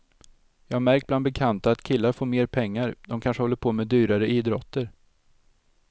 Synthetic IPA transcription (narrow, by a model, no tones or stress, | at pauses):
jɑːɡmæɾk̚bland̪bɛkʰant̪aːt̪kʰɪlːaɾfoːɾmeːɾpʰɛŋːaɾd̪̥ɔmkʰanʂəhɔlːəɾpʰoːmɛd̪yːɾaɾəʔiːd̪ɾɔt̪ʰːəɾ